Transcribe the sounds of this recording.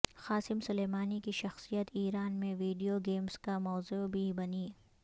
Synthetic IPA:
xaːsɪmsʊleːmaːnikiʃɐxsijət̪iːɾaːnmẽʋiːɖijoɡeːmskamɔːzubʱibɐniː

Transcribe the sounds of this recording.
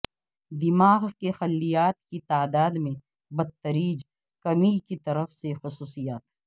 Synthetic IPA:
d̪ɪmaːɣkexɐlːijaːt̪kit̪aːd̪aːd̪mẽ | bɐd̪̚t̪ːəɾiːd͡ʒ | kɐmikit̪ɐɾəfsexʊsuːsijaːt̪

